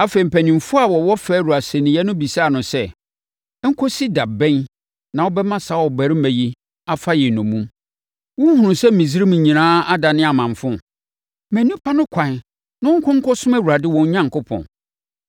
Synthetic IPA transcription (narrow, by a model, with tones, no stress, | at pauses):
a˦fe˨m̩˨pʰæ˨nĩ˨m˨fʊ˦a˦˨wɔ˨wɔ˦fɛː˦ɾu˨a˨sɛ˨nɪ̃˨jɛ˦nʊ̃˦bi˨sa˦˨nʊ̃˨sɛ˦ | ŋ̩˦kʰɔ˦si˦da˨bɛ̃˦n | nã˨wɔ˦bɛ˦mã˦sa˨˦wɔ˨bæ˨ɾɪ˦mæ̃˨ji˦ | a˨fa˦jɛ˨nʊ̃˨mũ˦m | wɔ̃˦hʊ̃˨ʊ̃˨sɛ˦mĩ˨zi˦ɾi˦mĩ˨ɲĩ˨nãː˦a˦da˨nɪ̃˦a˨mã˨ɱ˨fʊ̃˦ | mæ̃˨nĩ˦pʰa˦nʊ̃˦kʷʰã˨n˨ | nã˦ŋ˦kʰʊ̃˦ŋ˦kʰɔ˦sʊ̃˦mæ˦wu˨ɾa˨dɪ˦wɔ̃˨ɲ˦ɲã˦ŋ˨kʊ˦pʰɔ̰̃˨n